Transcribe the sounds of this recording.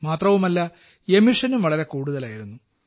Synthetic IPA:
maːt̪rɐʋumɐlːɐ | e̞miʂɐnumʋɐɭɐɾe̞kuːɽuðɐlaːjiɾunːu

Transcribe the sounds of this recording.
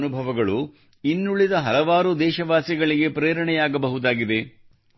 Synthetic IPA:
nubʱɐʋɐɡɐɭu | inːuɭid̪ɐɦɐlɐʋaːɾud̪ɛːʃɐʋaːsjɐɡɐɭiɡe̞pɾeːɾɐɳɛjaːɡɐbɐɦud̪aːɡid̪e̞

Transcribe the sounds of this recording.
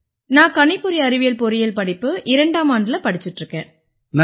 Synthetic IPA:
nãːkɐɳɪpːɔɾiɐɾɪʋɪjɐlpɔɾɪjɐlpɐɽɪpːɯʔɪɾɐɳɖaːmaːɳɖɪlɐpɐɽɪt͡ʃːɪʈːrɯkːḛ̃ː | n

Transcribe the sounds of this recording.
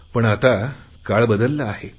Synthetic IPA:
pəɳat̪a | kaɭbəd̪əlːaːɦe

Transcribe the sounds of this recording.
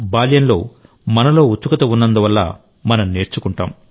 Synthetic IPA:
baːljɐnlo̞̰ː | mɐnɐlo̞ːut͡ʃːukɐt̪ɐunːɐnd̪uʋɐlːɐ̰ | mɐnɐmne̞ːɾt͡ʃukuɳʈa̰ːm

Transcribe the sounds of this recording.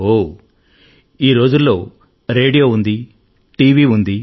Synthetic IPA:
o | iːɾo̞ːd͡ʒulːo̞ː | ɾe̞ːɖijo̞ːund̪i | ʈiːʋiːund̪i

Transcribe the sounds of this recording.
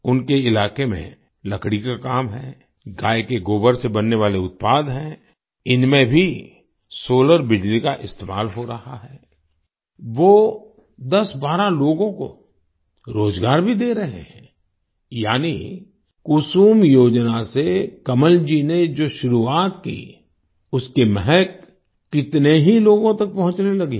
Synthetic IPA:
ʊnkeɪlaːkemḛ̃ | lɐkɽikakaːmɦɛː | ɡaːekeɡoːbəɾsebɐnːeʋaːleʊt̪̚paːd̪ɦɛ̃ː | ɪnmẽbʱi | soːləɾbɪd͡ʒlikaʔɪst̪eːmaːlɦoɾɐhaɦɛː | ʋoː | d̪ɐsbaːɾaloːɡõko̰ | ɾoːzɡaːɾbʱid̪eːɾɐɦḛɦɛ̰̃ː | jaːni | kʊsuːmjoːd͡ʒnasekɐməld͡ʒined͡ʒoːʃʊɾuaːt̪kḭ | ʊskemɛɦɛkː | ɪt̪neɦiloːɡõt̪ɐk̚pɐɦʊ̃t͡ʃnelɐɡi

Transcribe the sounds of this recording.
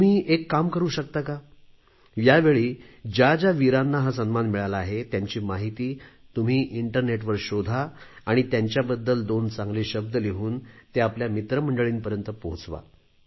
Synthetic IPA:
t̪um̤iːʔekːamkəɾuːɕək̚t̪aka | ʋjaʋeɭiː | d͡ʑad͡ʑaʋiɾanːaɦas̬ənmanmiɭalaːɦet̪jaɲt͡ɕiːmaɦit̪iːt̪um̤iːʔiɳʈəɾneʈ̬ʋəɾɕod̪ʱaː | ɽ̃it̪jaɲt͡ɕjabəd̪ːəld̪ont͡sãŋɡleːɕəb̚d̪əliɦuːnt̪eapljamit̪ɾəm̤əɳɖəɭiːnpəɾjənt̪əpoɦut͡sʋa̰

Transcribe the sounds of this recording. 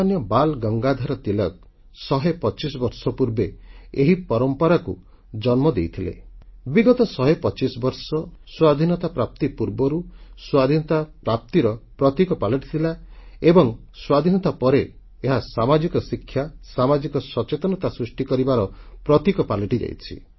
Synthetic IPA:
anjɔbalɡɔŋɡad̪ʱaɾɔt̪ilɔk̚ | sɔɦepɔt͡ʃisɔbɔɾsɔpuɾbeeɦipɔɾɔmpɔɾaku | d͡ʒɔnmɔd̪ejt̪ʰilḛbiɡɔt̪ɔsɔɦepɔt͡ʃisɔbɔɾsɔswad̪ʱinɔt̪apɾap̚t̪ipuɾbɔɾuswad̪ʱinɔt̪apɾap̚t̪iɾɔpɾɔt̪ikɔpaleʈit̪ʰilaebɔŋ | swad̪ʱinɔt̪apɔɾe | eɦasamad͡ʒikɔsikʰːjasamad͡ʒikɔsɔt͡ʃet̪ɔnɔt̪asɾisʈikɔɾibaɾɔpɾɔt̪ikɔpalɔʈid͡ʒa̰jt͡ʃʰḭ

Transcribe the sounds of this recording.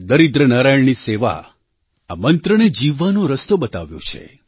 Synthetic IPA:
d̪əɾid̪ɾənaɾajəɳniseʋa̰ | amənt̪ɾəned͡ʒiʋːanũɾəst̪obət̪aʋjṵ̃t͡ʃʰḛ

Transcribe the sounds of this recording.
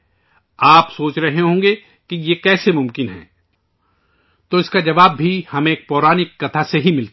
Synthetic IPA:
aːpsoːt͡ʃɾɐɦeɦõːɡe | kijekɛːsemʊ̃mkɪnɦɛ̰̃ː | t̪oːɪskad͡ʒɐʋaːbːʱihɐmẽːk̚pɔːɾaːnɪkːɐt̪ʰaseɦimɪlt̪

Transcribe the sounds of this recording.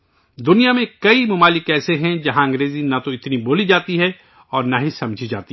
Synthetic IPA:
d̪ʊnijamẽkɐimʊmaːlɪkɛːseɦɛ̃d͡ʒɐɦãɐ̃ŋɡɾeːzinat̪oɪt̪niboːlid͡ʒaːt̪iɦɛ | ɔːɾnaɦisɐ̃md͡ʒʱid͡ʒa̰ːt̪i

